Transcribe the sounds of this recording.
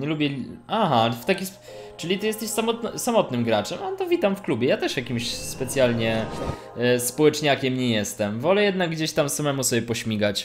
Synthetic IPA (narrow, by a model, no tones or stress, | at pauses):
ɲɛlubʲɛlaɦaft̪akʲis | t͡ʂɘlʲit̪ɨjɛst̪ɛɕsamɔt̪nsamɔt̪nɘmɡɾat͡ʂɛmaɛt̪ɔvʲit̪amfklubʲjɛjat̪ɛʂjakʲimɕspɛt̪sʲjalɲɛ | spɔwɛt͡ʂɲakʲɛmɲɛjɛst̪ɛmvɔlɛjɛd̪naɡɡd͡ʑeɕt̪amsamɛmusɔbʲjɛpɔɕmʲiɡat͡ɕ